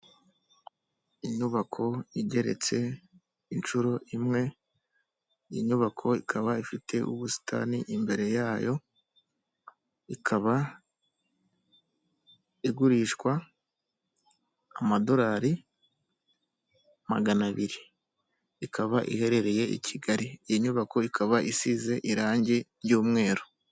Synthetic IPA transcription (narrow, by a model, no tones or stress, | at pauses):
iɲuβakʰo̞iɟe̞ɾe̞̰t͡se̞ | int͡ʃuɾo̞ʔimŋe̞ | jḭɲuβakʰo̞ikʰaβaifitʰe̞ʔuβusi̥tʰa̰niʔimbe̞ɾe̞jaːjo̞ | ikʰaβa | iɡuɾiːʃkwa | mado̞ɾaɾi | ma̰ɡanaβiɾiː | kʰaβaʔḭhe̞ɾe̞ɾe̞je̞ḭcʰiɡaɾijiɲuβako̞ikʰaβaʔisize̞ʔiɾaːɲɟeɾjuːmŋe̞ːɾo